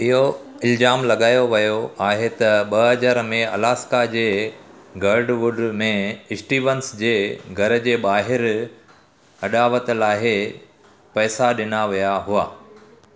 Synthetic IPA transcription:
ɪɦoɪld͡ʑaːmlɐɠaːjoʋɐjoaːɦet̪ɐɓɐɦɐd͡ʑəɾmẽɐ̰laːskad͡ʑeː | ɡɐɾɖʋʊɖmẽɪsʈiːʋənsd͡ʑeːɡʱɐɾə̆d͡ʑeːɓaːɦɪɾ | ɐɗaːʋət̪̆laːɦe | pɛːsaɗɪnaʋijaɦʊaː

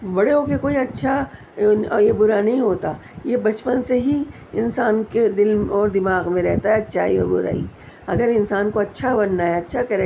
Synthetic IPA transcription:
bɐɽeɦokekoːiɐtːʃʰa | jebʊɾanɐɦĩɦoːt̪a | jebɐt͡ʃpənseɦi | ɪnsaːnked̪ɪlɔːɾd̪ɪmaːɣmẽɾɛɦt̪aɦɛɐtːʃʰa̰ḭɔ̰ɾbʊ̰ɾa̰ːḭ | ɐɡəɾɪnsaːnkoɐtːʃʰabɐnːaɦɛɐtːʃʰakɐɾe

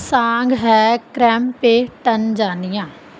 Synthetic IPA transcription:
sãːŋɡɦɛkɾɛːmpeʈənd͡ʒaːnɪjãː

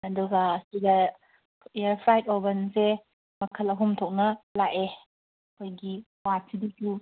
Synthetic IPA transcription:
ɐduɡasiɡa | eəɾpʰɾajt̚obənse | mɐkʰəlɐɦumtʰɔk̚nɐlaʔe | kʰojɡi | watsidiku

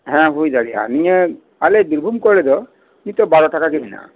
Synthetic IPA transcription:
ɦɛ̃ɦujzaɽia̰nijɛ | alebiɾbʱumkɔɭɛd̪ɔ | nit̪ɔbaɾɔʈakakibina̰

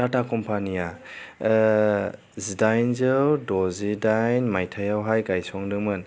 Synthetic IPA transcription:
tatʰakɔmpʰanija | zidajnzɯwdɔzidajnmajtʰajawɦajɡajsɔŋdɯmɯn

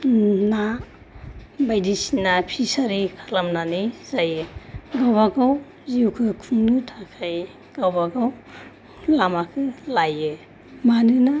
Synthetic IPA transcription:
na | bajdisinapʰisaɾikʰḁlamnanizajɯɡawbaɡaw | ziukʰɯkʰuŋnɯtʰakʰaj | ɡ̥awbaɡaw | lamakʰɯlajɯ | manɯna

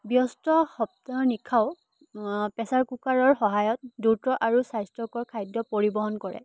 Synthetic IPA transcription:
bjɔstɔxɔp̚taɹnikʰaʊ | pɛsaɹkukaɹɔɹxɔɦajɔt̚dutɹɔʔaɹusajstɹɔkɔɹkʰajdɔpoɹibɔɦɔnkɔɹɛ̰

